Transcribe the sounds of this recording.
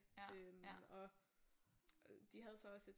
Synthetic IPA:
ømɒ̽ | d̥iɦæð̞ˠsɒ̽ɒ̽se̝d̥

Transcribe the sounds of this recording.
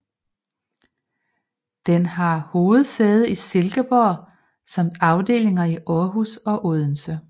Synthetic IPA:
d̥enhɑ̈ho̝ːð̩ˠseːð̞̩ˠise̝lɡ̥əb̥ɒ̰ | sɑ̈m̰d̥ɑ̈ʊd̥e̝̰ːle̝ŋɐiʔɒːɦusɒ̽ʔoð̞ˠn̩sə

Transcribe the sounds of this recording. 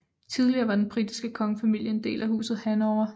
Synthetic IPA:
t͡sʰið̞ˠliɐːʋɑ̈d̥enb̥ʁid̥isɡ̥əkʰɒ̽ŋəfæmil̰jəe̝nd̥e̝̰ːlʔæhṵːsð̞̩ˠhænɒʊ̰ɐ

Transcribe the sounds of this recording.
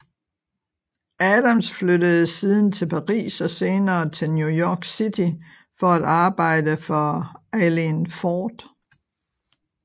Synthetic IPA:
ʔæd̥ɐmsflødəð̩ˠsiːð̞ˠn̩t͡sʰe̝lpʰɑ̈ʁḭːsɒ̽se̝ːnɐːt͡sʰe̝lnjujɒːɡ̥sit͡sʰi | fɒ̽æd̥ɑ̈ːb̥ɑ̈ɪ̰d̥əfɒælinfɒːd̥

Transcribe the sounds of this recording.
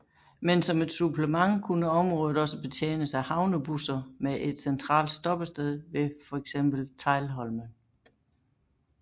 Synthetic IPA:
mensɒ̽me̝d̥supləmɑ̈ŋ̰kʰunəɒ̽mʁɔ̽ːð̩ˠɒ̽səb̥e̝t͡sʰjḛːnəsæhɑ̈ʊnəb̥usɐmeʔe̝d̥sent͡sʰʁɑ̰̈ːld̥sd̥ɒ̽b̥əsd̥eð̞ˠʋe̝fɒ̽eɡ̥sem̰b̥l̩t͡sʰɑ̈ɪlɦɒ̽lmən

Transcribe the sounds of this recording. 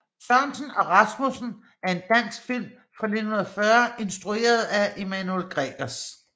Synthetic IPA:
sɶɐnsn̩ɒ̽ʁɑsmusn̩ | æɐe̝nd̥æn̰sɡ̥fil̰m | fʁɑ̈le̝d̥hunɐðˠfɶɐe̝nsd̥ʁue̝̰ːɐð̞̩ˠæʔemænuelɡ̥ʁɛɡ̥ɐs

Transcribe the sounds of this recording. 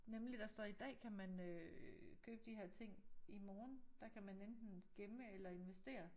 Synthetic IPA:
nemlid̥ɑ̈sd̥ɒid̥ɛ̰ːkʰæmænøkʰøːb̥əd̥iɦeɐ̰t͡sʰe̝ŋ̰imɒːnd̥ɑ̈kʰæmænend̥n̩ɡ̥eməelɐe̝nʋesd̥e̝̰ːɐ

